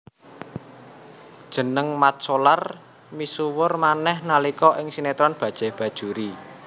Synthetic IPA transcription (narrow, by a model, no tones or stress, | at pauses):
d̥ʒ̥ə̤nəŋmat̪̚solar | misuwʊrmanɛhnalikɔʔɪŋsinet̪ɾɔnb̥ä̤d̥ʒ̥ɛ̤hb̥ä̤d̥ʒ̥ṳɾi